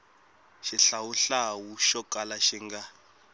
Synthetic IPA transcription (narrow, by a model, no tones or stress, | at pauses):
ʃiɬawuɬawuʃɔkʼalaʃiŋɡa